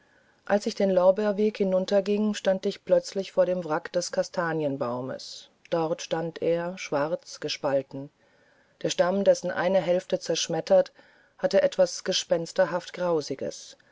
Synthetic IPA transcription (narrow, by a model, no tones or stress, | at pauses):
ʔalsɪçd̥eːnlɔʊbɛɐveːkhɪnʊntɐɡɪŋʃtantɪçplœt͡slɪçfoːɐɾeːmvʁakd̥ɛskʰastʰaːnjənbaʊmə̰s | d̥ɔʁtʃtantʰeːɐʃv̥aʁt͡sɡ̥əʃpaltn̩ | d̥eːɐʃtamdɛsn̩ʔa̰ɪnɐɦɛlftət͡sɛɐʃmɛtɐt | hatəʔɛtv̥asɡ̥əʃpɛnstɐɦaftɡ̥ʁaʊzɪɡə̰s